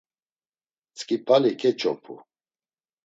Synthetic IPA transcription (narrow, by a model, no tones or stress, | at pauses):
t͡sʼkʼipʰalikʰɛt͡ʃʼʰɔ̰pʰṵ